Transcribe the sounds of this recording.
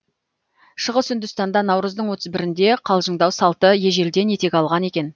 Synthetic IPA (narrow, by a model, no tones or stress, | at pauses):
ʃəʁəsʏnd̪ʏst̪ɑnd̪ɑnɑwɾəzd̪əɴwot̪əzbɪɾɪnd̪e̞qʰɑlˠʒəɴd̪ɑwsɑlˠt̪əje̞ʒe̞ld̪e̞nje̞t̪e̞kʲɑlˠʁɑne̞kʲe̞n